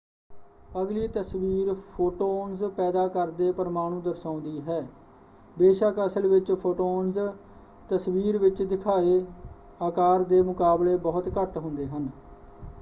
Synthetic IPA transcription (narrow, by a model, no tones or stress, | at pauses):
əɡliːt̪əsʋiːɾpʰoːʈoːnzpɛːd̪aːkəɾd̪eːpəɾmaːɽ̃ũːd̪əɾsãːʊ̃nd̪iːɦɛː | beːʃəkəsəlʋɪt͡ʃpʰoːʈoːnz | t̪əsʋiːɾʋɪt͡ʃd̪ɪkʰaːeː | aːkaːɾd̪eːmʊkaːbleːbɔːʊt̪kəʈɦʊ̃nd̪eːɦən